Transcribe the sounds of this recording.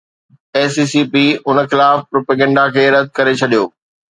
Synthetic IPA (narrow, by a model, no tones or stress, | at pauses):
eːsiːsiːpiʊnəxɪlaːfpɾoːpeɡɛ̃ːɳɖakʰeːɾɐd̪̚ʱkɐɾet͡ɕʰɐɗijoː